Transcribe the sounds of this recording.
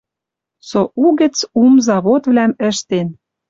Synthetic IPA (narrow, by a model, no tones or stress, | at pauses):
soʔuɣə̆t͡sumzɑβot̪vlæmə̆ʃt̪en